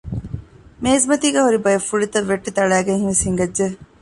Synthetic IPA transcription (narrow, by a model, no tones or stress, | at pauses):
meːzmɐt̪iːɡɐɦuɾibɐjɐfːuɭit̪ɐʋːeʈːit̪ɐɭæːɡeŋhiʋeshiŋɡɐdʒe